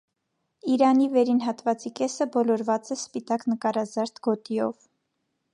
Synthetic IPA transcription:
iɾɑnivɛɾinɦɑt̪vɑt͡sikɛsəbɔlɔɾvɑt͡sɛspit̪ɑknəkɑɾɑzɑɾt̪ʰɡ̥ɔt̪iɔv

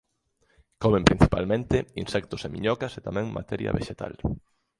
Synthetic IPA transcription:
komẽmpɾin̟θipa̰lmẽnt̪einsɛk̚t̪osemiɲɔkɐset̪amɛ̃ŋma̰t̪ɛɾja̰βeʃet̪a̰l

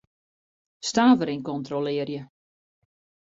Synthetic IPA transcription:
staːvəɾinkɔntrolɪərjə

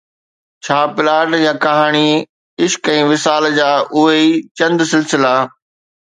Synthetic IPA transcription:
t͡ɕʰaːpɪlaːɖjãːkɐɦaːɽ̃i | ɪʃkɛ̃ːʋɪsaːld͡ʑaːʔʊɦeit͡ɕɐ̃nd̪sɪlsɪla

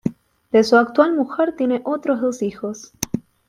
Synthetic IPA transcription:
d̪esuak̚t̪walmuxeɾt̪je̞ne̞ʔo̞t̪ɾo̞ɦðosixo̞s

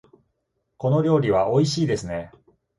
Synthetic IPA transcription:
ko̞no̞ɾʲo̞ːɾʲiβ̞aʔo̞iɕiːd̪e̞sɨne̞

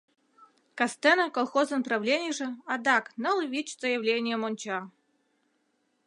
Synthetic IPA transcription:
kast̪ɛnəkolˠxozənəpɾavlʲenʲɪjʐɘ̆ad̪ɑknəlˠvʲit͡ɕzəjəvlʲenʲɪjəmonʲt͡ɕɑ

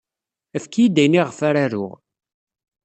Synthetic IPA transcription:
æfkijid̪æjniʁfaɾaɾʊ̰ʁ

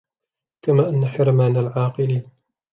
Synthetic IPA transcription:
kamaːʔanːaħɪɾmaːnalʕɑːqɨliːn

